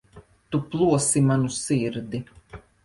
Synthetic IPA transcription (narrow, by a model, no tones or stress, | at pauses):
t̪uplˠuɔsimanusiɾd̪i